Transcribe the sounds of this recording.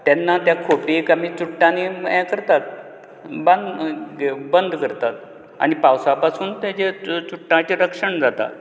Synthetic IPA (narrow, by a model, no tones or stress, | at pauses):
t̪jɛnːat̪jakʰopikamit͡suʈːãniɛ̃kəɾt̪at̪ | band̪ | bənd̪ʱkəɾt̪at̪̚ | a̰nipawsapasuːnt̪ãd͡ʑet͡suʈːãt͡ɕeɾəkʂəɳd͡zat̪a̰t̪